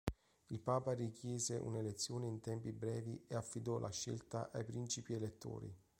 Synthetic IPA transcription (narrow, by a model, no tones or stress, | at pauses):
ilpaːparikjɛːzeʔṵnelet̪sːjoːneint̪ɛmpibɾɛːvieafːid̪ɔlʔa̰ʃːḛlt̪a̰ʔajpɾint͡ʃipielet̪ːo̰ːɾḭ